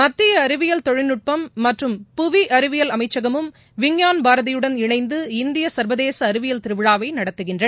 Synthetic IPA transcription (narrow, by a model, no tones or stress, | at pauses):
mɐt̪ːɪjɐːɾɯʋɪjɐlt̪ɔɻɪnɯʈ̚pɐmːɐʈrɯmpʊʋiʔɐɾɯʋɪjɐlɐmɐɪt͡ʃːɐɣɐmɯm | ʋɪŋjaːnbaːɾɐðɪjɯɽɐnɪɳɐɪnd̪ɯɪnd̪ɪjɐsɐɾʋɐðeːsɐːɾɯʋɪjɐlt̪ɪɾɯʋɪɻaːʋɐɪnɐɽɐt̪ːɯɣɪndrɐ